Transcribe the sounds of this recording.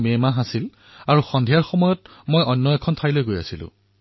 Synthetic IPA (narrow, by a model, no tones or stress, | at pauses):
memaɦasil | aɹuxɔndʱijaɹxɔmɔjɔt | mojɔnːɔɛkʰɔntʰailojɡoja̰silʊ̰̃